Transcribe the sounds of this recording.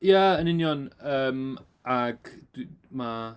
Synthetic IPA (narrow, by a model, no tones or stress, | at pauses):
jaənɪnjɔnəːm | ʔaɡ̥d̥ma